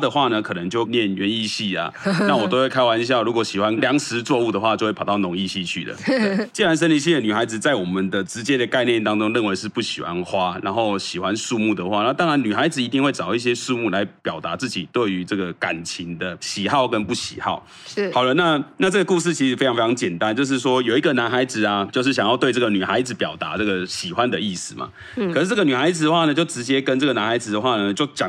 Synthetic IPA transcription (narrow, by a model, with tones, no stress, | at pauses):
d̪ə˨xwa˥˩nə˨˩kʰɤ˨˩nə˧˦ŋt͡ɕjo˥˩ʊnjɛ˥˨nɥɛ˧˥ni˥˧ɕi˥˩a̰˩na˥˩wɔ˨t̪o˥ʊxwe˥˩ɪkʰa˥wa˧˦ni˧˩ɕja˥˩ɻu˧˥kwɔ˨˧˥ɕi˨˩xwa˦nljɑ˧˦˥ŋʂɻ̩˧˥t͡swɔ˥˧u˥˩d̪ə˩xwa˥˧t͡ɕjxwe˥˩˨t̪ɑ˥˩ʊnʊ˧˥ŋi˥˧ɕi˥˧t͡ɕʰy̰˥˩lə̰˩e˥˩t͡ɕi˥˩ɻa˧˦nʂ̬ə˥nli˧˥ɕ̬i˥˩ə˩ny˨˩xa˧˥ɪd͡zɹ̩˨t͡sa˥˩ɪwɔ˨˩mə˨nd̪ə˨ʈ͡ʂɻ̩˧˥t͡ɕjɛ˦˥d̪ə˨ka˥˧ɪnjɛ˥˨nt̪ɑ˥ŋʈ͡ʂʊ˥ŋɻə˥˩nwe˧ɪʂɻ̩˥˧pu˥˩ɕi˨˩xwa̰˦nxwa˦na˧˥nxo˥˩ʊɕi˨˩xwa˦nʂu˥˧mu˥˩d̪ə˩˨xwa˥˩n˧˦˥t̪ɑ˥ŋɻa˧˦ny˨˩xa˧˥ɪd͡zɹ̩˨˩i˧˥t̪i˥˧ŋwe˥˩ɪʈ͡ʂɑ˨˩ʊi˥˩ɕ̬jɛ˦˥sʂu˥˧mu˥˩la˧˦ɪpjɑ˨˩ʊt̪a˧˥t͡sɹ̩˥˩t͡ɕi˨˩t̪we˥˩ɪy˧˥ʈ͡ʂɤ˥˩ɡə˩ka̰˨˩nt͡ɕʰi˧˥ŋd̪ə˧ɕi˨˩xɑ˥˧ʊkə˦npu˥˩ɕḭ˨˩xɑ̰˥˩ʊ | xɑ˨˩ʊlə˦na˥˧na˥˧ʈ͡ʂɤ˥˩ɡə˩ku˥˧ʂ̬ɻ̩˥˩t͡ɕʰi˧˥ʂɻ̩˨˩e˥ɪ˧ŋfe˥ɑ˧˥ŋt͡ɕjɛ˨˩nt̪a˦nt͡ɕjo˥˧ʊʂ̬ɻ̩˥˩ʂwɔ˦˥jo˨ʊi˧ɡə˨na˧˥nxa˧˥ɪd͡zɹ̩˨˩a˨˩t͡ɕjo˥˧ʊʂ̬ɻ̩˥˩ɕjɑ˨˩ŋjɑ˥˧ʊt̪we˥˧ʈ͡ʂə˥˩ɡə˨ny˨˩xa˧˥ɪd͡z̩˨˩pjɑ˨˩ʊt̪a̰˧˦ʈ͡ʂɤ˥˩ɡə˩ɕi˨˩xwa˦nd̪ə˨i˥˩sɹ̩˨˩ma̰˨˩ | kʰʂɻ̩˥˧ʈ͡ʂə˥˩ɡə˨ny˨˩xa˧˥ɪd͡z̩˨d̪ə˩xwa˥˨˩nə˨t͡ɕjo˥˩ʊʈ͡ʂɻ̩˧˥t͡ɕjɛ˥kə˦nʈ͡ʂə˥˩ɡə˩na˧˥nxa˧˥ɪd͡zɹ̩˨˩d̪ə˩xwa˥˩nə˩t͡ɕjo˥˩ʊt͡ɕɑ˨˩ŋ